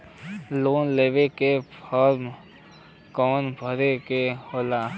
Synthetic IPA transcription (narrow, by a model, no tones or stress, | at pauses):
loːnleːʋekepʰɔɾm | kɔːnbʱəɾekehoːlaː